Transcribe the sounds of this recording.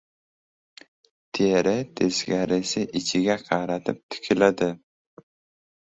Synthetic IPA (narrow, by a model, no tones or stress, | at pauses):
t̪ʰeɾɪt̪ʰesɡʲaɾɪsɪʔɪt͡ʃʰɪɡʲaqʰɑɾat̪ʰɪp̚t̪ʰɪ̥kʲʰɪlad̪ɪ